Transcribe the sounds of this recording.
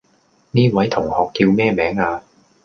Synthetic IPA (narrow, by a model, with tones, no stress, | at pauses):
niː˥˩wɐ˨˥jt̪ʰʊ˨˩ŋhɔː˨˩k̚kiː˧wmɛː˥˩mɛː˨˥ŋaː˧